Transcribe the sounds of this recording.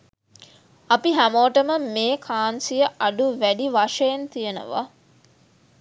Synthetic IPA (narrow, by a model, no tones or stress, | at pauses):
ɐpiɦæmoʈəməmeːkʰaːnsijəʔɐɖuʋæɖiʋaʂɐjent̪ijənə̰ʋa̰